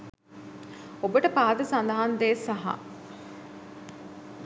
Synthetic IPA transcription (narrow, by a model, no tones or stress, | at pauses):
obəʈəpaːd̪əsand̪ɐɦand̪eːsaɦa̰